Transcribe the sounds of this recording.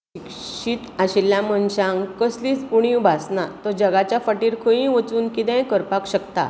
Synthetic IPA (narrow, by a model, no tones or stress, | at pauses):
ikɕiːt̪aɕiljamənɕãŋkəsliːt͡spuɽ̃iubʱasnat̪ɔd͡ʑəɡat͡ɕjafəʈiːɾkʰəĩʋət͡suːnkit̪ɛ̃jkəɾpakɕəkt̪a̰